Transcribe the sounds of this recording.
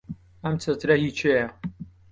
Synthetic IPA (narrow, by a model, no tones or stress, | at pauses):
ɐmt͡sʰɐt̪ɾɐhit͡ʃʰejɐ